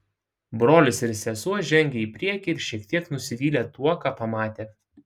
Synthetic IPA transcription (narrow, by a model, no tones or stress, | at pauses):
bɾoːlʲɪsɪɾsʲɛsuɔʒʲɛŋʲɡʲɛiːpʲɾʲiɛkʲiːɪɾʃʲiɛkt̪ʲiɛknʊsʲɪʋʲiːlʲeːt̪uɔkɑːpɐmɑːt̪ʲeː